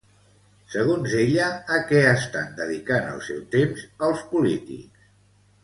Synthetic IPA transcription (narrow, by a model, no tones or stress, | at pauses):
səɣ̞onzeʎəːkɛəst̪a̰nd̪əðikanə̰lˠsɛwt̪emzəlˠspulit̪ḭks